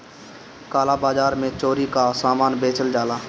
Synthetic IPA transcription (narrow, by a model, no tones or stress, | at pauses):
kaːlaːbaːd͡ʒaːɾmẽt͡ʃoːɾikasaːmaːnbeːt͡ʃəld͡ʒaːlaː